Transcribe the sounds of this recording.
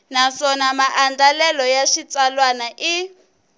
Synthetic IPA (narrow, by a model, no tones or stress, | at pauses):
nasɔnamaʔandalɛlɔjaʃit͡salwanaʔi